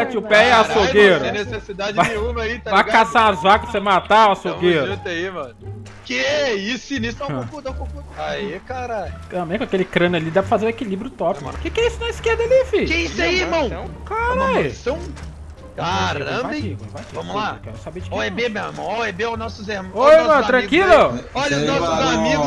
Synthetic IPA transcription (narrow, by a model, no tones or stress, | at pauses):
at͡ʃɪʊpɛɛasoɡeɾɐ̃nesesid̪ad͡ʒvaẽũmaiavakasaazvakɐspsemat̪aasoɡeɾt̪eimɐ̃n | keisinisʊãõkud̪ãwkõkud̪aikaɾajʊɐ̃mekakelɪkɾɐ̃nʊɐlid̪ɛvɪfazeɾʊ̃ekilibɾjʊt̪ɔpɪkkekɛisʊnɐ̃w̃iskeɾd̪alifikẽj̃sẽimɐ̃w̃kaɾajsɐ̃w̃ | kaɾɐ̃pbẽikvakivɐ̃mʊlakɛ̰ɾsabed͡ʒɪkoebemewḭhmɐ̃w̃aebeawznɔsʊzehmɐ̃ojmɐ̃t̪ɾɐ̃kilʊɔʎɐnɔszamiɡ